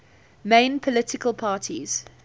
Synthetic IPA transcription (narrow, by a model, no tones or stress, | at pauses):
mẽɪ̃npʰɔlɪtɪkəlˠpʰɑːtʰḭz̥